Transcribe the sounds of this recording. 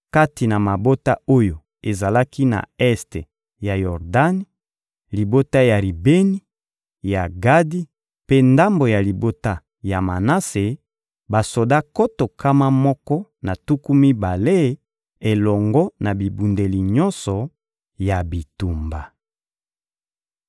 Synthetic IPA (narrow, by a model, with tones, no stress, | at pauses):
ka˦ti˨na˨ma˨bo˦ta˦o˦jo˨ | e˨za˨la˦ki˦na̰˨ɛ˦ste˨ | ja˨jɔ˨ʁda˦ni˦ | li˨bo˦ta˦ja˨ʁi˨be˦ni˦ | ja˨ɡa˦di˦ | pe˦nda˦mbo˨ja˨li˨bo˦ta˦ | ja˨ma˨na˦se˨ | ba˨so˨da˦ko˦to˨kʰa˦ma˦mɔ˦kɔ˦na˨tu˦ku˦mi˦ba˨le˦ | e˨lɔ˨ŋɡɔ˦na˨bi˨bu˨nde˨li˨ɲɔ˦nsɔ˨ | ja˨bi˨tu˨mba˨